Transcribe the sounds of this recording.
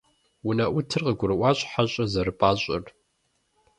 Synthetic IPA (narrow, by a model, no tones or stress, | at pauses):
wʊnɐʔʷʊtʰɨrqəɡʷʊɾɨwɑːɕʼħaɕʼɐzɐɾɨpʼaːɕʼɪ̰r